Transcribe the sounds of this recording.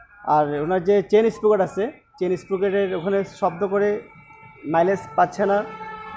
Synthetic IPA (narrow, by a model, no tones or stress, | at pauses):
aɾonaɾd͡ʑet͡ɕenispɾukaʈat͡ɕʰe | t͡ɕenispɾukeʈeɾokʰaneʃɔb̚d̪okoɾe | majlespatːʰena